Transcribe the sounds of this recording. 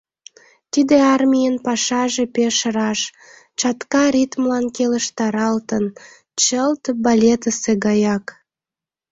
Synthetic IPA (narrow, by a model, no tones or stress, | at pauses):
t̪id̪eɑrmʲijənpɑʃɑʒepeʃəɾɑʃ | t͡ɕɑt̪kɑɾʲit̪mlɑnkeləʃt̪ɑɾɑlt̪ən | t͡ɕəlt̪bɑlʲet̪əseɡɑjɑk